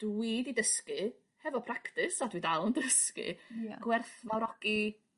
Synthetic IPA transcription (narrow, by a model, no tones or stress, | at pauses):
d̥wididəskɨ | hɛvɔpʰraktɪsadwidalˠndəskɨ̰aɡ̥wɛrθvawɾɔɡ̥i